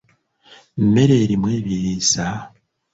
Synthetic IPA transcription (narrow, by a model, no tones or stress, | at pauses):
mme̞ɾe̞ːɾimweːβiβiːsa